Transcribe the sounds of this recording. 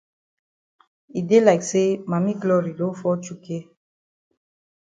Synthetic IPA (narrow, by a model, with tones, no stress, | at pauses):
i˨de˦la˨ɪkse˦mã˨mi˦ɡlɔ˦ɾi˨lõ˦fɔ˦t͡ʃu˦ke˦